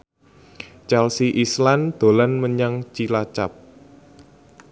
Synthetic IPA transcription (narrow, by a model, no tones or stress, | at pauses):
t͡ʃɛlsiʔisland̪̥o̤lanməɲaŋt͡ʃilat͡ʃap̚